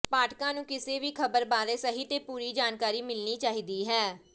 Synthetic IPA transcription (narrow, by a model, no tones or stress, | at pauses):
paːʈkãːnũːkɪseːʋiːkʰəbəɾbaːɾeːsəɦiːt̪eːpuːɾiːd͡ʒaːnkaːɾiːmɪlniːt͡ʃaːɦiːd̪iːɦɛː